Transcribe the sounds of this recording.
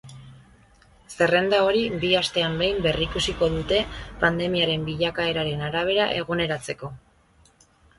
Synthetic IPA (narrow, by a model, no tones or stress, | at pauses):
se̞re̞nd̪ao̞ɾibiast̪e̞ambejmbe̞rikusiko̞ðut̪e̞pand̪e̞miaɾe̞mbiʎakae̞ɾaɾe̞naɾaβ̞e̞ɾaʔe̞ɣ̞une̞ɾat͡se̞ko̞